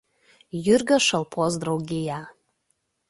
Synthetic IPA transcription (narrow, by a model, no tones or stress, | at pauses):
jyrɡəʃəlˠpʰozd̪rowɡʲija